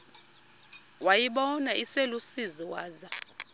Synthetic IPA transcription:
wajiɓɔnaʔiselusiziwaːza

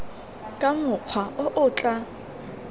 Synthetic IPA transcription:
kʼamʊq͡χʰwaʔʊʔʊt͡ɬʼa

